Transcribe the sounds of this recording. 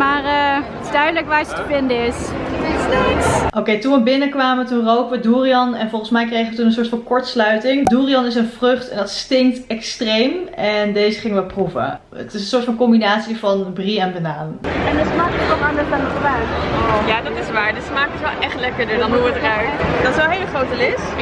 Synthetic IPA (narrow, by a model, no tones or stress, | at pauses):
maːrətɪzdœɥdələkʋaːɹsətəvɪndəɪssteʔowkejtunʋəbɪnəkʋaːməətunrowkʋəduːriɑnɛnvɔlˠχənsmɛjkrejχəʋətunənsʊːɹtfɑnkɔɹtslœɥtɪŋduːriɑnɪs̬ənv̥rɵχtɛndɑtstɪŋktɛkstrejmɛndejzəχɪŋəʋəpruvə̰ | ə̰tɪsənsʊːɹtfɑnkɔmbinaːtsivɑnbriɛnbanaːnɛndɪtsmaːkətʋɔlˠaɹnəfanətχəbaɥtjaːdɑtɪsʋaːɹdəsəmaːkətʋɛlˠʔɛχtlɛkəɹdəɹdɑnuədəraɥtdɑtɪsʋɛlˠɦejlχrowtəlɪs